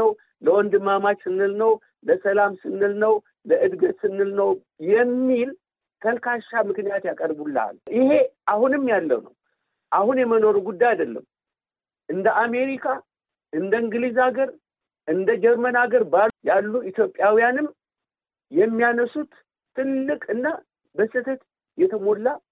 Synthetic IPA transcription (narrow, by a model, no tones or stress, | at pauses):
əw | ləwɔnd̪ɨmamat͡ʃsɨnːɨlnəw | ləsəlamsɨnːɨlnəw | ləʔɨd̪ɡət̪sɨnːɨlnəw | jɛmːil | t̪ʰəlkaʃːamɨknijat̪jakʼəɾbulːaa̰lɪhe̞ahunɨmːjalːə̰wnə̰w | ʔahunjɛməno̞ɾuɡud̪ːajad̪əlːə̰m | ʔɨnd̪əʔame̞ɾikʰa | ʔɨnd̪əɨŋɡɨlizaɡəɾ | ʔɨnd̪əd͡ʒɛɾmənaɡəɾbajalːuit̪jo̞pʼːjawijanɨm | jɛmːijanəsut̪ʰː | ɨlːɨkʼɨnːa | bəsɨt̪ʰət̪ | jɛt̪ʰəmo̞lːa